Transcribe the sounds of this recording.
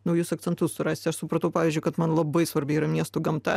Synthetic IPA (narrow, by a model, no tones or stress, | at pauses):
nʊjuːsɐk̪̚sʲɛnt̪ʊssʊɾɑːsʲt̪ʲɐʃsʊpɾɐt̪ɐʊpɑːʋʲizʲd͡ʒʲʊɪkɐt̪mɐnlˠɐbɐɪsʋɐɾʲbʲɛɪiːɾɐmʲiɛst̪ʊɡɐmt̪ɐ